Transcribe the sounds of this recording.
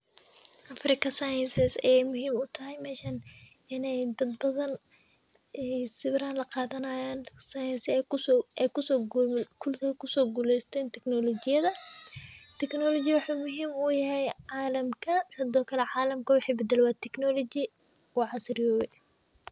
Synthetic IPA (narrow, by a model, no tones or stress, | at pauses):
ʔɐfrɪkʰɐsɐjɐnsɪsɐjɛjmʊɦiːmʊt̪ʰɐɦɛjmɛːʃɐn | ɪnɛjd̪ɐd̪̚bɐðɐn | ɛsɪβɾaːnlɐqɑːðɐnɐjaːnsɐjɐnsɪɛkʊskʰʊlkʰʊsɔːɡuːlɛjst̪ʰɛːnt̪ʰɛknɔlɔt͡ʃɪjɐðɐ | t̪ʰɛknɔlɔt͡ʃɪjwɑħuːmʊɦiːmʊjɐɦɛjʕɑːlɐmkʰɐsɪd̪ɔːkʰɐlɛʕɑːlɐmkʰɐwʊħiːbɛd̪ɛlɛwɑːt̪ʰɛknɔlɔt͡ʃɪ | wɑʕɑsrɪjɔːwɛ